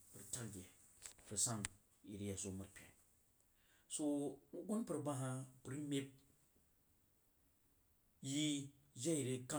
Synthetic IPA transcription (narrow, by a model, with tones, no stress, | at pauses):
pɨ˨ɾta˦lɡe˨ | pɨ˨sa˦ŋ | i˨ɾi˦ja˨so˦ma˨ɾpʲḛ˨ | so˦u˦ɡu˦npɨ˨ɾba˦ɦa˦pɾi˦me˦p̚ | ji˦ | d͡ʒa˦i˨ɾe˦ka˦